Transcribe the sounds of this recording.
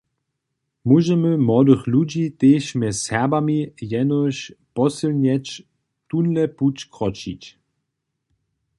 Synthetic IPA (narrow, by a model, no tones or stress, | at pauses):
muʒɛməmɔd̪əxlud͡ʑit̪eːʃmɛssɛɐbamijɛnɔɕpɔsəlnɛt͡ʃ | t̪unlɛput͡ɕkʁɔt͡ʃḭt͡ɕ